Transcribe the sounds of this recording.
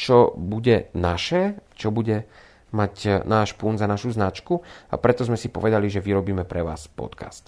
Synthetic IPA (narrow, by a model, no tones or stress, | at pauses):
t͡ʃɔbuɟɛnaʃɛt͡ʃɔbuɟɛ | macnaːʃpunzanaʃuznat͡ʃkua̰pɾɛt̪ɔzmɛsipɔ̰ʋɛd̪aliʒɛʋiɾɔbiːmɛpɾɛʋa̰ːspɔ̰t̪kʰa̰st̪